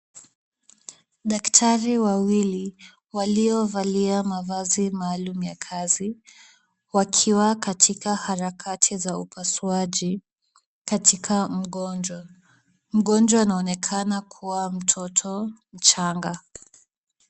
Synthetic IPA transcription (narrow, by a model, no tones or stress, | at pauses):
ɗaktʰaɾiwawili | waliɔvaliamavazimaːlumujakʰazi | wakʰiwakatʰikahaɾakʰatʰizaupaswaʄi | katikʰam̩ɠɔnd͡ʒwa | m̩ɠɔnd͡ʒwaːnaɔnɛkʰanakʰuwam̩tʰɔtʰɔm̩t͡ʃaŋɡa